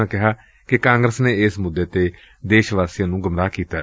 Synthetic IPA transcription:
ãːkɪɦaː | kɪkãːŋɡɾəsneːɪsmʊd̪ːeːt̪eː | d̪eːʃʋaːsijãːnũːɡəmɾaːkiːt̪aː

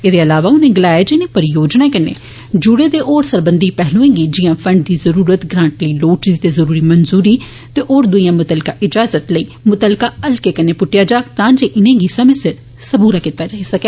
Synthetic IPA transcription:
eːd̪eːəlaːʋaːʊnẽːɡəlaːjeːd͡ʒeɪnẽːpəɾɪjoːd͡ʒnaːkənḛː | d͡ʒʊɽeːd̪eːʔoːɾsəɾbənd̪iːpɛɦlõːẽːɡiːd͡ʒɪjãːpʰɾəɳɖd̪iːzəɾuːɾət̪ɡɾãːɳʈləiːloːʈd̪iːt̪eːzəɾuːɾiːmənzuːɾiː | t̪eːʔoːɾd̪ʊijãːmʊt̪əlkaːʔɪd͡ʒaːzət̪ləiːmʊt̪əlkaːəlkeːkəneːpʊʈːɪjaːd͡ʒaːkt̪ãːd͡ʒeːʔɪnẽːɡiːsəmẽːsɪɾ | səbuːɾaːkiːt̪aːd͡ʒaːisəkeː

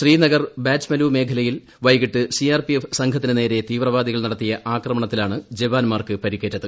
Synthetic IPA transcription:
ɕriːnɐɣɐrbaːt͡ɕmɐluːme̞ːkʰɐlɐjil | ʋɐjɣiʈːɨsiaːrpijefsɐŋkʰɐt̪ːinɨne̞ːɾe̞t̪iːʋrɐʋaːd̪iɣɐɭnɐɽɐt̪ːijɐʔaːkrɐmɐɳɐt̪ːilaːɳɨd͡ʑeʋaːnmaːrkɨpɐɾikːeːʈːɐðɨ

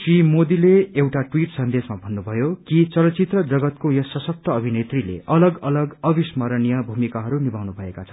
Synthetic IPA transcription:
simod̪ileewʈaʈwiʈsʌnd̪esmabʱʌnːubʱʌjokit͡sʌlʌt͡sit̪rʌd͡zʌɡʌt̪̚kojʌsʌsʌk̚t̪ʌːbʱinet̪rilḛʌlʌɡʌlʌɡʌbismʌɾʌnijʌbʱumikaɦʌɾunibʱawnubʱʌekat͡sʰʌ̥n

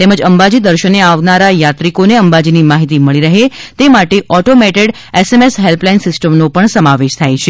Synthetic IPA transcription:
t̪eməd͡ʒəmbad͡ʒid̪əɾʃəneaʋnaɾajat̪ɾikoneəmbad͡ʒinimaɦit̪iməɭiɾəɦet̪emaʈeʔɔʈomeʈeɖ | esemesɦelplajnsɪsʈəmnopəɳsəmaʋeʃt̪ʰajt͡ʃʰe

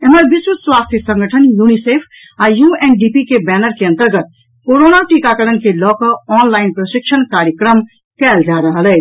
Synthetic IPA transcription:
eməɾbiswut̪swast̪ʰjisə̃ŋɡəʈʰənjunisepʰ | ajuenɖipikebɛnəɾkeə̃nt̪əɾɡət̪̚ | koɾonaʈikakəɽənkelɔkʌɔnlaɪnpɾəʃik̚t͡ʃʰənkaɾjəkɾəm | kɛld͡ʒaɾəɦəlɛ

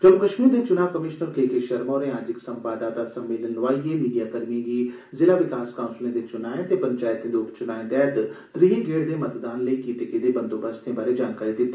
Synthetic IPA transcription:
d͡ʒəlkəʃmiːɾd̪eːt͡ʃʊnaːʋkəmɪʃnəɾkeːkeʃəɾmoːɾẽːaːd͡ʒɪksəmpaːd̪aːt̪aːsəmːɪːlənʋaːiemiːɖijaːkəɾmĩɡiː | zɪlaːʋɪkaːskaːʊ̃nslẽːd̪eːt͡ʃʊnaːẽt̪eːpəɲt͡ʃaːjt̪ẽːd̪eʊpt͡ʃʊnaːẽd̪ɛːd̪t̪ɾiɦẽːɡeːɽd̪eːmət̪d̪aːnləikiʈ̪ɪked̪eːbənd̪oːbəst̪ẽːbaːɾed͡ʒaːnkaːɾid̪ɪt̪ːe̥ː

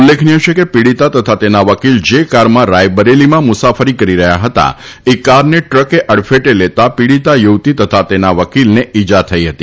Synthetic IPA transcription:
ulːekʰniot͡ʃʰekepiɽit̪at̪ət̪ʰat̪enaʋəkild͡ʒekaɾmãɾajbəɾelimãmʊsafəɾikəɾiɾəɦjaɦət̪a̰ekaɾneʈɾəkeʔəɽfeʈelet̪apiɽit̪ajuʋt̪it̪ət̪ʰat̪enaʋəkilneid͡ʒat̪ʰəiɦət̪i

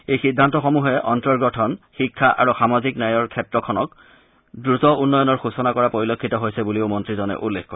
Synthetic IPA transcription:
ejxidʱːantɔxɔmuɦɛʔɔntɔɹɡɔtʰɔnxikʰːaʔa̰ɹuxamaziknajɔɹkʰɛtɹɔkʰɔnɔk̚ | dɹuzɔunːɔjɔnɔɹxusɔnakɔɹapoɹilokʰːitɔɦojsɛbuliʊmɔntɹizɔnɛ̰ʔulːexkɔɹɛ

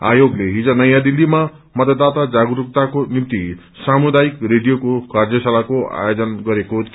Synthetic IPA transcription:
a̰joɡleɦid͡zʌnʌjãd̪ilːima | mʌt̪ʌt̪ːat̪ad͡zaɡuɾukt̪akonimt̪i | samud̪ajikreɖijokokard͡zʌsalakoa̰jod͡zʌnɡʌɾeko

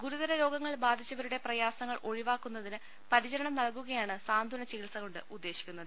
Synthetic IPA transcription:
ɡuɾuðɐɾɐɾo̞ːɡɐŋːɐɭbaːd̪ʱit͡ɕːɐʋɐɾuɽe̞prɐjaːsɐŋːɐɭʔo̞ɻiʋaːkːunːɐðinɨ | pɐɾit͡ɕɐɾɐɳɐmnɐlk̬uɣɐjaːɳɨsaːnd̪ʱuːnɐt͡ɕiilsɐɣoɳɖɨ̰ud̪ːe̞ːɕi̥kʲːunːɐðɨ

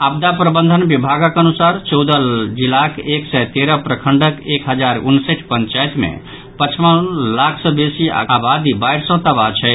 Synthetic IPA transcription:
abd̪apɾəbənd̪ʱənbibʱaɡakənusaɾt͡ʃɔwd̪əld͡ʒilakeksɛjt̪eɾəpɾəkʰəɳɖəkekɦəd͡ʒaɾṵnseʈʰpənt͡ʃajt̪mḛ | pət͡ʃʰmə̃lakʰsə̃besia̰abad̪ibajɾsə̃t̪əbat͡ʃʰɛ

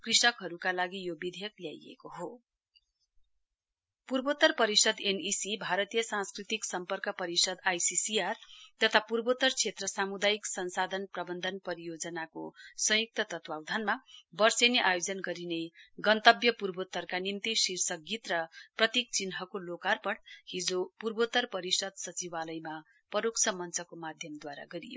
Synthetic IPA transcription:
krisʌkɦʌɾukalaɡijobid̪ʱejʌkljajḛkoɦo | purbot̪ːʌrpʌɾisʌd̪enisibʱaɾʌt̪ijʌsãnskrit̪iksʌmpʌrkʌpʌɾisʌd̪ajsisiart̪ʌt̪ʰapurbot̪ʌrt͡sʰet̪rʌsamud̪ajiksʌnsad̪ʱʌnprʌbʌnd̪ʱʌnpʌɾijod͡zʌnakosʌ̃juk̚t̪ʌt̪ʌt̪wawd̪ʱanmabʌrsʌneʔajod͡zʌnɡʌɾineɡʌnt̪ʌbjʌpurbot̪ʌrkanimt̪isirsʌɡit̪rʌprʌt̪ik̚t͡sinɦʌkolokarpʌɽhid͡zopurbot̪ʌrpʌɾisʌd̪sʌt͡sibalʌjma | pʌɾoksʰʌmʌnt͡sʌkomad̪ʱjʌmd̪waɾa̰ɡʌɾijo̰

